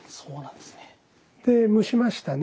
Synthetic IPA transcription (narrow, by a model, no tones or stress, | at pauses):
soːnãnd̪̥esne | d̪̥e̞mɯ̟ɕimaɕi̥t̪an